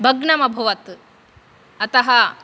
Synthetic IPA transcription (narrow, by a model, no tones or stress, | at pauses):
bʱɐɡɳɐmɐbʱɐʋɐt̪ | ɐt̪ɐɦɐ